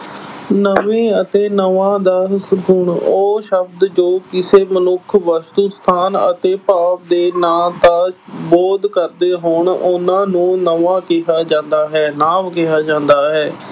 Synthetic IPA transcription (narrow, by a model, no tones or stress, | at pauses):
nəʋẽːət̪eːnəʋãːd̪aːsɦʊɳoːʃəbd̪d͡ʒoːkɪseːmənʊkʰʋəst̪ust̪ʰaːnə̰t̪eːpaːp̚d̪eːnaːt̪ãːboːd̪kəɾd̪eːɦoːɳʊnãːnũːnəʋãːkɪɦaːd͡ʒãːnd̪aːɦɛːnaːʋkɪɦaːd͡ʒãːnd̪aːɦɛː